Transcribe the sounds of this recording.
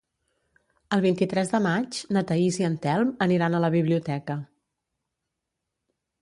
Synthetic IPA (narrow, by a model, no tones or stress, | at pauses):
əlˠβint̪it̪ɾɛzðəmad͡ʒnət̪əiziənt̪ɛlˠməniɾanələβiβliut̪ɛkə